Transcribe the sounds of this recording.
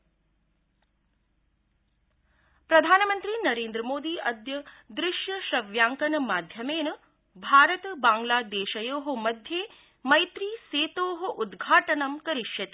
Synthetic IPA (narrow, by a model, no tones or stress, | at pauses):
pɾɐd̪ʱaːnɐmɐnt̪ɾiːnɐɾeːnd̪ɾɐmoːd̪iːʔɐd̪jɐd̪ɾɪʃjɐʃɾɐʋjaːŋkɐnɐmaːd̪ʱjɐmeːnɐ | bʱaːɾɐt̪baːŋɡlaːd̪eːʃɐjoːɦŏmɐd̪ʱjeː | mɐjt̪ɾiːseːt̪oːɦoʔud̪ɡʱaːʈɐnɐmkɐɾɪʃjɐt̪i̥